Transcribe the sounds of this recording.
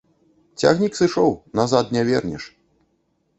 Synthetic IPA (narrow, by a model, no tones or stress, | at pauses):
t͡sʲa̰ɣnʲiksɨʂɔwnazad̪nʲɛvʲɛrnʲɛ̰ʂ